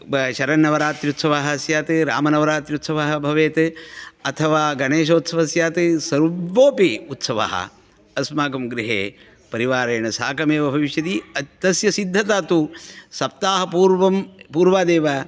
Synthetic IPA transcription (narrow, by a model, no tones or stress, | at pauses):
ʃɐɾɐnːɐʋɐɾaːt̪ɾut̪sɐʋaːɦɐɐsjaːt̪ɨɾa̰ːmɐnɐʋɐɾaːt̪jut̪sɐʋaːɦɐ̆bʱɐʋeːt̪ɐt̪ʰɐʋaːɡɐɳeːʃoːt̪sɐʋɐsjaːt̪ɨsɐɾːoːpiut̪sɐʋa̰ːɦɐ̰ | ɐsmaːkɐmɡɾiɦḛː | pɐɾiʋaːɾeːɳɐsaːkɐmeːʋɐbʱɐʋiʃjɐt̪iɐt̪ɐsjɐsid̪ʱːɐt̪aːt̪usɐp̚t̪aːɦɐpuːɾʋɐmpuːɾʋaːd̪eːʋa